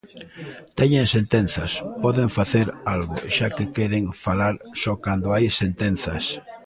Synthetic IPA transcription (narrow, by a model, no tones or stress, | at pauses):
t̪ɛɲẽnsẽnt̪en̟θɐspɔðeɱfaθeɾalɣo̰ʃakekeɾeŋfalaɾsɔkand̪oajsent̪en̟θa̰s